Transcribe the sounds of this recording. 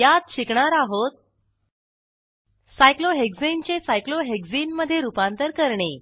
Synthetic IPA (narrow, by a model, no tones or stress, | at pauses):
jat̪̚ɕikɳaɾaɦot̪̚ | sajkloɦekd͡zint͡ɕesajkloɦekd͡zinməd̪ʱːjeɾupant̪əɾkəɾɳe